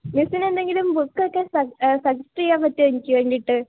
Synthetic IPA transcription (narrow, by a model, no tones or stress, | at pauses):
misine̞nd̪e̞ŋɡilumbukːokːe̞sɐsɐd͡ʑɐsʈrijaːpɐt̪ːiʋɐɲikʲːiʋeːɳɖiʈːɨ